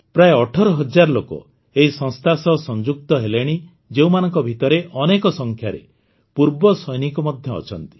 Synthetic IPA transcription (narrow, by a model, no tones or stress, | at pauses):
pɾaeɔʈʰɔɾɔɦɔd͡ʒaɾɔlokɔ̰ | eɦisɔŋst̪ʰasɔsɔnd͡ʒuk̚t̪ɔɦeleɽ̃i | d͡ʒeũmanɔŋkɔbʱit̪ɔɾeʔɔnekɔsɔŋkʰjaɾḛ | puɾbɔsɔjnikɔmɔd̪ʱjɔ̰ːt͡ʃʰɔnt̪i̥